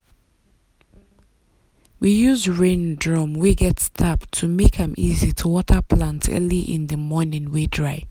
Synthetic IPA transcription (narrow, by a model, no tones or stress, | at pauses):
wijuzɹẽndɹɔ̃mwiɡɛtstʰaptʰːumekʰãmʔizitʰuwɔtʰəpʰlãntʰɜ̰liʔɪ̰̃nðəmɔnɪ̃nwedɹaɪ